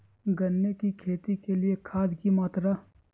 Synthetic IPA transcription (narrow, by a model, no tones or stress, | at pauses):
ɡɐnːekikʰeːt̪ikeliekʰaːd̪kimaːt̪ɾɐ